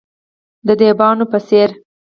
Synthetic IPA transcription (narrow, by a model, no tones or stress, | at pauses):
d̪əd̪ebɑnopəseɾ